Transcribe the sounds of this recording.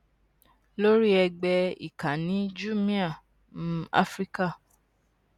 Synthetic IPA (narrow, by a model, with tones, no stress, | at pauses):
lo˦ɾi˦ɛ˧ɡ͡bɛ˧ḭ˨ka˨nĩ˨˦d͡ʒu˦˨mĩ˦a˦˨ | mũ˦a̰˦fɾi˦ka˦˨